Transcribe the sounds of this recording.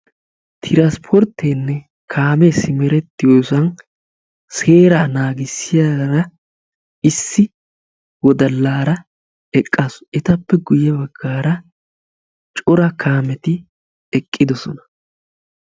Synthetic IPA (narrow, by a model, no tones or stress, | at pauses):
t̪ʰɪɾaspʰɔɾt̪ːeːnːɛ | kʰaːmɛsɪmɛɾɛt̪ːɪjoːsɐn | seːɾaːnaːɡɪsːɪjaɾɐ | ɪsːɪ | wɔd̪ɐlːaːɾɐ | ɛkʼːasɛt̪ɐpːɛɡʊjɛbɐɡːaːɾɐ | t͡ʃʼɔɾɐkʰaːmɛt̪ɪ | ɛkʼːɪd̪ɔsɔ̰nɐ̥